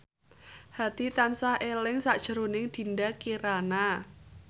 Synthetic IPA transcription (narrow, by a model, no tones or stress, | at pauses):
ha̤t̪it̪ansahʔelɪŋsaʔd̥ʒ̥ə̤ɾonɪŋd̪̥i̤ndakiɾana